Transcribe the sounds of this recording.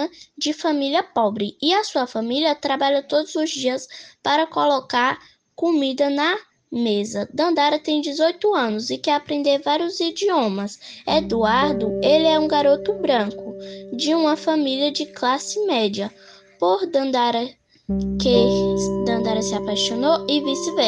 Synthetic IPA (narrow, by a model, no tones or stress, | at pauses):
d͡ʒɪfamiliɐpɔbɾɪɪɐsuɐfamiliɐt̪ɾabaʎɐt̪od̪ʊzʊzd͡ʒiɐspaɾɐkolokaɾ | komid̪ɐnɐ | mezɐd̪ɐ̃nd̪aɾɐt̪ẽj̃d͡ʒɪzojt̪ʊɐ̃nʊzɪkɛapɾẽnd̪eɾvaɾjʊzid͡ʒiõmɐsed̪uaɾd̪ʊelɪɛũɡaɾot̪ʊbɾɐ̃kʊd͡ʒɪũmɐfamiliɐd͡ʒɪklasɪmɛd͡ʒiɐ | poɾd̪ɐ̃d̪aɾɐ | ked̪ɐ̃nd̪aɾɐsɪapajʃonoɪvisɪvɛ